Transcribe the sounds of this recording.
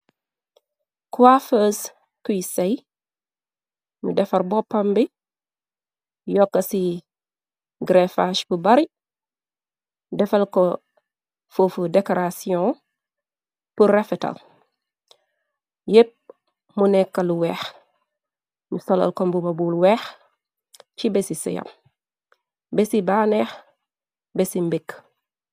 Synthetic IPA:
kuwafəːs | kujsɐj | mṵdɛfɐɾbɔpːɐmbi | jɔkːɐsi | ɡɾefaʃpubɐɾi | dɛfɐlkɔ | fofudɛkoɾasiɔ̃ | purefeta̰l | jep̚ | munɛkːɐluwɛːx | musolɐ̰lkombubabulwɛːx | t͡ʃibesisḭja̰m | besibaːnex | besimbik

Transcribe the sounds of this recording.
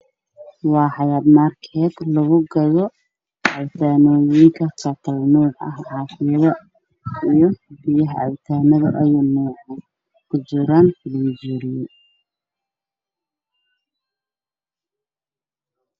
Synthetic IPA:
wɑːħɑjaːd̪maːrkʰɛːd̪lɐɣʊɡɐjɔ | ʕɑwt̪ʰaːnɔːjɪŋkʰɐt͡ʃɐt̪ʰɐlnuːʕɐ̰hʕɑːfɪðɐ | ijɞbɪjɐɦʕɑ̰wt̪ʰaːnɐðɐʔɐjɐnuːʕɑn | kʰʊd͡ʒɪɾaːnflid͡ʒiːɾɪjɐ

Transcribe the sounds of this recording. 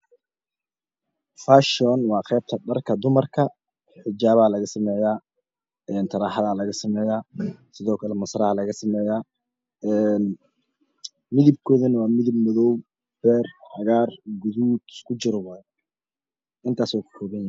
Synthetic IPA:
faːʃɔnwɑːqɛːb̚t̪ʰɐɖɐrkʰɐd̪ʊmɐrkʰɐ | ħɪd͡ʒaːβaːlɐɣɐsɐmɛːjaː | ɛːnt̪ʰɐɾaːħɑðaːlɐɣɐsɐmɛːjaːsɪðɔːkʰɐlɛmɐsɾɐhɐlɐɣɐsɐmɛːjaː | ɛn | mɪðɪb̚kʰɔːðɐnɐwɑːmɪðɪbmɐðɔw | b̥ɛːrħɑɣaːrɡʊðuːd̪ɪskʰʊt͡ʃɪɾɔwɐð | ʔɪnt̪ʰaːsɔːkʰʊ̥ħɔːβɐnj

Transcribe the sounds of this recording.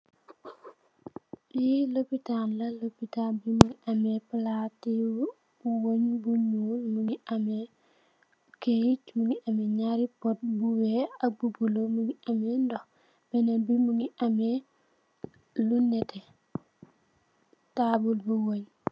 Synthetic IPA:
jilopitanlɐlopitanbimuŋiʔameplati | uwoɲbuɲulmuŋiʔame | kejit͡ʃmuŋiʔameɲaɾipot̚buweak̚bubulomuŋiʔamendɔ | b̥ɛnanbimuŋiʔame | lunːɛte | tabulbuwoɲ

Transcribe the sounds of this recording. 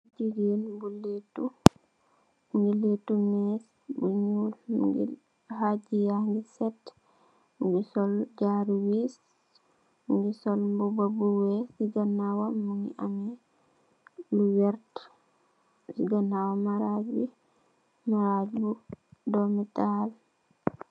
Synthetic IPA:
d͡ʒiɡinmbulːitu | ŋɡilitumɛs | buɲul̰ɡḭl | had͡ʒijaŋɡisɛt | ɡisɔld͡ʒaɾwis | ŋɡisɔlmbubabuwɛsiɡanawamːuŋḭʔamɛ | luwɛɾt | siɡanawamaɾad͡ʒbi | maɾad͡ʒbudɔmital

